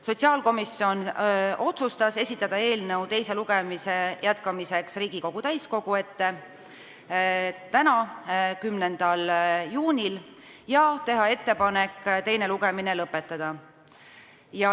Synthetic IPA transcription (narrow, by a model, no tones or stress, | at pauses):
so̞t̪ʲsiɑːlko̞misio̞no̞t̪sust̪ɑse̞sʲit̪ːˑɑd̪̥ɑe̞ːlnɤwt̪e̞jse̞luɡ̥e̞mise̞jæt̪kɑmise̞ksriːɡ̥iko̞ɡ̥ut̪æjsko̞ɡ̥ue̞t̪ːe̞ | t̪ænɑkymne̞nd̪̥ɑljuːnʲil | jɑt̪e̞ɦɑe̞t̪ːe̞pɑne̞kːt̪e̞jne̞luɡe̞mine̞lɤpːe̞t̪ˑːɑd̪̥ɑ | jɑ